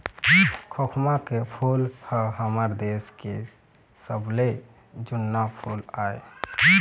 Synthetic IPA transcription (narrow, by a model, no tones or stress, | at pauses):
kʰokʰmakepʰulhəɦəməɾd̪eske | səble | d͡ʒunːapʰulae